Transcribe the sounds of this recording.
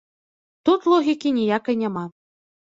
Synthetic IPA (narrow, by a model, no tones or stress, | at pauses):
t̪ut̪lˠɔɣʲikʲinʲijakɐjnʲama